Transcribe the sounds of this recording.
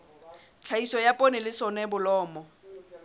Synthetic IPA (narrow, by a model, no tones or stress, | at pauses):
t͡ɬʰaisɔjapʼonɪlɪsɔnɛbʊlɔːmɔ